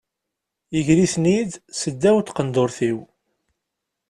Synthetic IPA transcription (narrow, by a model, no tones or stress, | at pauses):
əʝɾisnid̪səd̪ːæwt̪qənd̪ʊɾθiw